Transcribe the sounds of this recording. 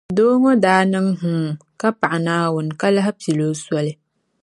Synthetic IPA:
doː˦ŋo˦daː˦nɨ˦ŋɦũ˦ka˦pa˨ʔa˨naː˦wʊ˨n˨ka˦la˦ɦɪ˦pi˨lo˦sɔ˦lɪ˦

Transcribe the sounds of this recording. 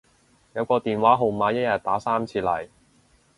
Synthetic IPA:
jɐ˨˧wkɔː˧t̪iː˨˩nwaː˨˥ɦo˨˩wmaː˨˧˥jɐ˥t̚jɐ˨t̚t̪aː˨˥saː˥mt͡sʰiː˧lɐ̰˨˩j

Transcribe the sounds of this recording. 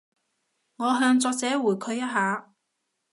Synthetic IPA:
ŋɔː˨˧ɦœː˧ŋt͡sɔː˧k̚t͡sɛː˨˥wuː˨˩jkʰɵ˨˧ɥjɐ˥t̚ɦaː˨˧

